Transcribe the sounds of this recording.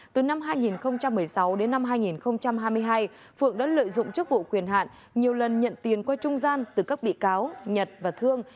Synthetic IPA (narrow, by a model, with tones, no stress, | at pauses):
t̪ɨ˨˩na˧mɦaː˧jŋi˨˩nxə˧wŋ͡mt͡ɕa˧mːɨ˨˩əjsa˨˦wɗe˨˦nːa˧mɦaː˧jŋi˨˩nxə˧wŋ͡mt͡ɕa˧mɦaː˧jmɨ˧əjɦaː˧j | fɨ̰˧˨əŋɗa̰ː˨˥lə̰ː˧˨jzʊ̰˧˨ŋ͡mt͡ɕɨ˦˥ək̚vṵ˧˨kwi˨˩ənɦa̰ː˧˨n | ɲi˨˩əwlə˨˩nɲə̰˧˨nt̪i˨˩ənkwaː˧t͡ɕʊ˧ŋ͡mzaː˧nt̪ɨ˨˩ka˦˥k̚ɓḭ˧˨kaː˨˦wɲə˨˩t̚vaː˨˩t̪ʰɨ˧əŋ